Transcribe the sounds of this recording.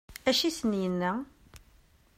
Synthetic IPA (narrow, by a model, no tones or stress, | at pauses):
æʃisənjənːæ